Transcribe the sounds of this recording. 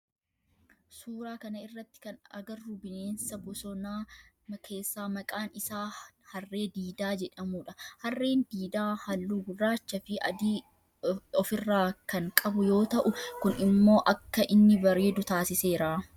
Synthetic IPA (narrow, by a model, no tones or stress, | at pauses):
suːɾaːkɐnɐɪrːɐt̪ːɪ̥kɐnɐ̰ɡɐrːubɪneːnsɐbɔsɔnaː | mɐkʰe̞ːsːaːmɐkʼaːnɪsaːhɐrːe̞ːd̪iːd̪aːd͡ʒɛᶑɐmuːᶑɐhɐrːe̞ːnd̪iːd̪aːhɐlːuːɡʊbɾaːt͡ʃːɐfɪɐd̪i | ɔfɪrːaːkɐŋkʼɐbʊjo̞ːt̪ɐʔʊkʊnɪmːo̞ːʔɐkːɐʔɪnːɪbɐɾe̞ːd̪ʊt̪aːsɪse̞ːɾaː